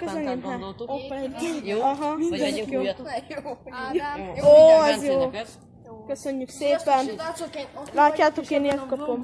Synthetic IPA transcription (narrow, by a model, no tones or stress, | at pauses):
køseneːmɦa | ɒɦɒmind̪ɛnoː | joːɛzjoː | køsøɲːykseːpɛn | laːtcːaːt̪o̞keːnert̪̚kɒpom